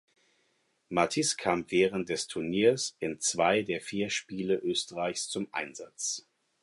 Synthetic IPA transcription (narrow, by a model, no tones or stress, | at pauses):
matʰɪskʰaːmvɛːʁənt̚d̥ɛstʰʊɐniːɐsʔɪnt͡sv̥aɪdeːɐfiːɐʃpiːləʔøːstəʁaɪçst͡sʊmʔa̰ɪnzat͡s